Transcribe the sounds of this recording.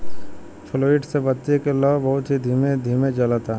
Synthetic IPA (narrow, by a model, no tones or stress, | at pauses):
pʰɪloːiːʈsebɐt̪t̪ːekelɔːbɐɦʊt̪ɦid̪ʱiːmed̪ʱiːmed͡ʒɐlət̪a